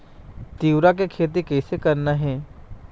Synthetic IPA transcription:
t̪iːwɾak̬ekʰeːt̪̬ikɛːsekɐɾnaɦɛː

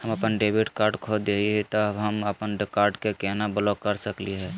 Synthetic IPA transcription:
həməpənɖeːbɪʈkaːɾɖkʰod̪eiɦɛt̪ɔɦəməpənɾɪkaːɾɖkekɛɦnabəlɔkːəɾsəkliɦɛː

